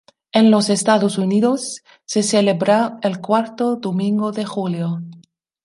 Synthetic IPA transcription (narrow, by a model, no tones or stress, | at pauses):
enlosest̪aðosuniðosː | eselebɾaelkwaɾt̪oðomĩŋɡoðexuljo